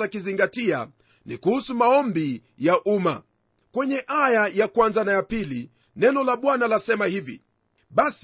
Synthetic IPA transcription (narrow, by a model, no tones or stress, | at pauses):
akiziŋɡatia̰ | nḭkuhusumaɔmbi | jaʔuma̰ | kwɛɲɛʔajajakwanzanajapili | nɛnɔlaɓwanalasɛmahivḭ | ɓas